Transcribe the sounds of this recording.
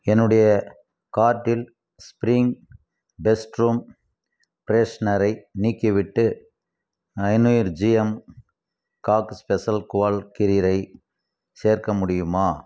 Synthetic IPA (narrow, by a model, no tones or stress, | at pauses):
ɛnːɯɽɐjɐ | kaːʈːɪl | spɾɪŋɡ | bɛsʈɾuːm | pɾeːsnɐɾɐɪniːkːɪʋɪʈːɯ | ɐɪnʊjɾd͡ʒɪjɛm | kaːkspɛsɐlkʊʋaːlkɪɾɪɾɐɪ | seːɾkɐmʊɽɪjɯmaː